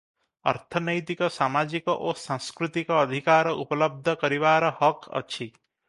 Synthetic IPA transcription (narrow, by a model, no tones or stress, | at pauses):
ʌ̰ɾt̪ʰɔnəjt̪ikɔsamad͡ʒikɔʔosãskɾut̪ikɔːd̪ʱikaɾɔʔupələb̚d̪ʱəkəɾiʋaɾɔhɔkʌ̰t͡ʃʰi